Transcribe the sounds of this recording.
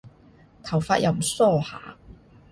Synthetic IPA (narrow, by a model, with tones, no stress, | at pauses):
t̪ʰɐ˨˩wfaː˧t̚jɐ̰˨˧wm̩˨˩sɔː˥˩ha̰ː˨˦